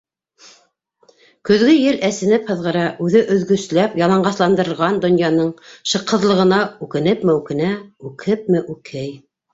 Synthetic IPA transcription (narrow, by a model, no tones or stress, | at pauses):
kɵ̆ðɡɘjɘlʔæsɘ̆nɘphɤ̆ðʁɤ̆ɾɑʔʉðɘʔɵ̆ðɡɵ̆slæpjɑlˠɑɴɢɑslˠɑnd̪ɤ̆ɾɤ̆ɾʁɑnd̪ŏnjɑnɤɴʃɤ̆qʰːɤ̆ðlˠɤ̆ʁɤ̆nɑʉkɘ̆nɘpmæwkɘ̆næʉkʰɘp̚mɘʔʉkʰɘj